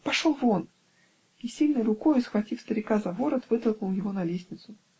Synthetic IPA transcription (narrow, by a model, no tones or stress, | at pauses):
pɐʂolˠvo̞n | isʲilʲnɨjɾʊkojʊsxvɐtʲifst̪əɾʲɪkazɐvoɾət̪vɨt̪əlˠknʊlˠjɪvonɐlʲesʲnʲɪt̪sʊ